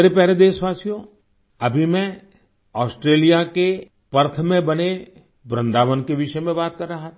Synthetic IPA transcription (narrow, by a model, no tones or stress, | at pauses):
ɾepɛɦɾed̪eːʃʋaːsijõ | ɐbʱimɛ̃ | ɔːsʈɾeːlijake | pɐɾt̪ʰmẽbɐne | bɾə̃nd̪aːʋənkeʋɪʃəmẽbaːt̪̚kɐɾːɐɦa